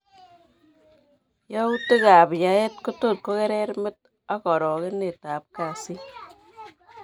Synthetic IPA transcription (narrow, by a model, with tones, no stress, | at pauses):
jɔ˦u˦te˦ka˨pja˨˦e˦t̚ko˦to˦˨t̚ko˦kɛ˦ɾɛ˦ɾmɪ˦t̚ | a˦kɔ˨ɾɔ˨ke˦ne˨ta˨p̚ka˨si˦